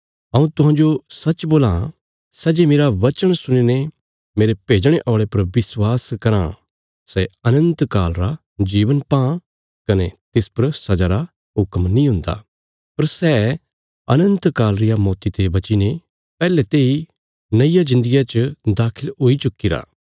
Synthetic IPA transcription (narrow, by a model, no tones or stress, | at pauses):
ɐũt̪ʊɦãːd͡ʒosɐt͡ʃboːlã | sɛd͡ʒemeːɾaʋɐt͡ʃəɽ̃sʊñine | meːɾepeːd͡ʒɽ̃eʔɔːɭepɐɾʋɪswaːskɐɾã̰ | sɛɐnə̃nt̪kaːlɾa | d͡ʒiːʋənpãː | kɐnet̪ɪspɐɾsɐd͡ʒaɾa | ɦʊkmnĩɦʊ̃nd̪a̰ | pɐɾsɛː | ɐ̰nə̃nt̪kaːlɾɪjamɔːt̪it̪ebɐt͡ʃine | pɛːlɛt̪eːi | nɐijad͡ʒɪ̃nd̪əɡijat͡ʃd̪aːkʰɪloːit͡ʃʊkːiɾa̰ː